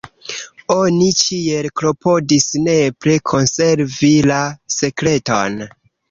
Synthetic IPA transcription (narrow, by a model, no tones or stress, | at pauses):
o̞nit͡ʃie̞lkɾo̞pʰo̞disne̞pɾikʰo̞nse̞ɾvilase̞kɾe̞to̰n